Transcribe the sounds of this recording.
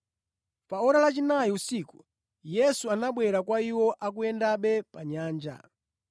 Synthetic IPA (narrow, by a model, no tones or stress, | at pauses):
paɔɾalat͡ʃinajiusiku̥ | jɛsuanaɓwɛɾakwaiwɔʔak̬ujɛndaɓɛpaɲaːnd͡ʒa̰